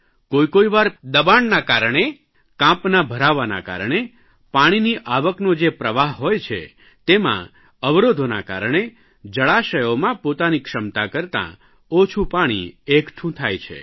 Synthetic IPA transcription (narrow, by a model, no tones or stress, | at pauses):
koikoiʋaɾd̪əbaɳnakaɾəɳ̃e | kãpnabʱəɾaʋana̰ka̰ɾəɳe | paɽ̃iniʔaʋəknod͡ʒepɾəʋaɦɦojt͡ʃʰḛ | t̪emã̰ | əʋɾod̪ʱona̰ka̰ɾəɳ̃e | d͡ʒəɭaʃəjomãpot̪anikʃəmt̪akəɾt̪ã̰ | ot͡ʃʰupaɽ̃ḭekʈʰũt̪ʰajt͡ʃʰḛ